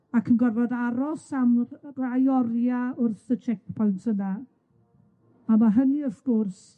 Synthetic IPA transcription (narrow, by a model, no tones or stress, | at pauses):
akʰənɡɔrvɔðaɾɔsamrajɔrjaʊrθət͡ʃʰɛk̚pʰɔjntʰəna | amaɦəniəfɡ̥ʊrs